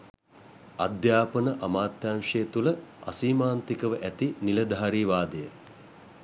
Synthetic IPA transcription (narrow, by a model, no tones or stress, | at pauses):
ad̪jaːpənəʔamaːt̪jaːŋʂeːt̪uləa̰siːmaːnt̪ikəʋəʔæt̪inilɐd̪aɦaɾiːʋaːd̪əjə